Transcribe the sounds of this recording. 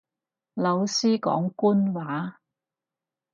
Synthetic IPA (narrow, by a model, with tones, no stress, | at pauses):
lɐ˨˧wsiː˥kɔ̰ː˨˥ŋkuː˥nwaː˨˥